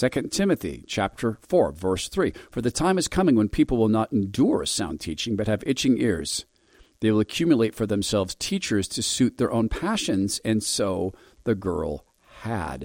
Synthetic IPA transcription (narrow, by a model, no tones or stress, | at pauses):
sɛkɨ̃ntʰɪ̃mɨθḭt͡ʃʰæp̚tʰə˞fɔɹvɜ˞sθɹifə˞ðɨtʰãɪ̃mɨz̥kʰʌmɪ̃ŋwə̃npʰipl̩ˠwəlˠnəɾɨ̃n̩dʊɹɨsãʊ̃ntʰḭt͡ʃɪ̃ŋbʌt̚hɨvɪt͡ʃɪ̃ŋɪ̰ɹz̥ | ðeɪwəlˠəkʰj̥ʉmjəlˠeɪtfə˞ðɨ̃msɛlˠvz̥tʰit͡ʃə˞z̥tʰɨsʉt̪̚ðə˞ʔõʊ̃npʰæʃɨ̃nz̥ɨ̃nsoʊ | ðɨɡɜ̰˞lˠ | hɨ̰d̥